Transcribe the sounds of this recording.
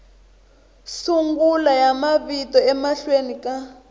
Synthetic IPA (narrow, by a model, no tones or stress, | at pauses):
suŋɡulajamaβitɔɛmaɬwenika